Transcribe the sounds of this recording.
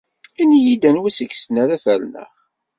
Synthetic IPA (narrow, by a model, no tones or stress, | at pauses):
inijid̪ænwæsəɡsnæɾæθælnə̰ʁ